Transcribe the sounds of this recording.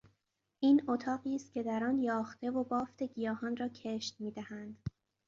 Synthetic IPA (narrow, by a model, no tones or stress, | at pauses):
ʔiːnot̪ʰɒːɣiːst̪̚cʰʲe̞d̪æɾɒːnjɒːxt̪e̞vo̞bɒːft̪ʰe̞ɟijɒːhɒnrɒːcʰe̞ʃt̪miːd̪æhænd̪̥